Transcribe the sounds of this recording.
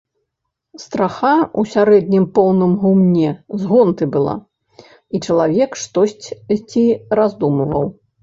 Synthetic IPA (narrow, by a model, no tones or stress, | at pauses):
st̪ɾaxausʲaɾɛd̪̚ʲnʲimpɔwnɨmɣumnʲɛzɣɔnt̪ɨbɨlˠa̰ | it͡ʂɐlˠavʲɛkʂt̪ɔsʲt͡sʲt͡sʲiɾazd̪umɨvɐ̰w